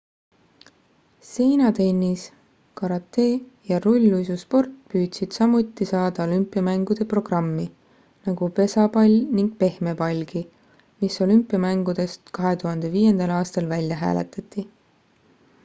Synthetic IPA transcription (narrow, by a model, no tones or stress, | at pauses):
se̞jnɑt̪e̞nːis | kɑɾɑt̪ːe̞ːjɑɾulʲːujsuspo̞rt̪ːpyːd̪̥sid̪̥sɑmut̪ːˑisɑːd̪̥ɑo̞lympːˑiɑmæŋɡ̥ud̪̥e̞pro̞ɡ̥rɑmːi | nɑɡ̥upe̞sɑpɑlʲniŋɡ̥̚pe̞hme̞pɑlʲɡ̥i | miso̞lympːˑiɑmæŋɡ̥ud̪e̞st̪kɑɦe̞t̪uɦɑnd̪̥e̞viːjend̪̥ɑlɑːst̪ɑlvælʲːjɑɦæ̰ːle̞̰t̪ˑɑt̪ˑːi